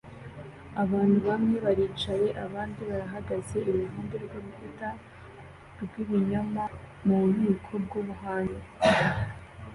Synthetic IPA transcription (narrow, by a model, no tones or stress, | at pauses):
aβaːnhuβamŋe̞βaɾiːt͡ʃaje̞ʔaβaːndiβaɾaɦaɡaze̞ʔiβuɦuːndeɾɡoβuita | ɾbɡiβuɲama | muɾikʰo̞b̚ɡoβuɦaːnde